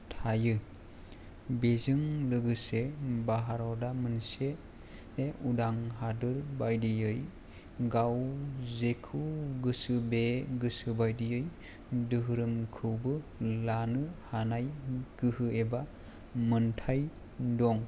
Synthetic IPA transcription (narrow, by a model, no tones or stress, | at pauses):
tʰajɯ | bezɯŋlɯɡɯsebaɦaɾɔdamɯnse | eʔudaŋɦadɯɾbajdijɯj | ɡawzekʰuɡɯsɯbeɡɯsɯbajdijɯj | dɯɦɯɾɯmkʰɯwbɯlanɯhanajɡ̥ɯhɯeba | mɯntʰaj | dɔŋ